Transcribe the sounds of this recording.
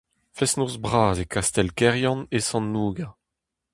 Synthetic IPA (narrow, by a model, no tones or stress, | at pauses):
fɛsnozbʁaːzekast̪ɛlkɛʁjɑ̃nesɑ̃nːuːɡa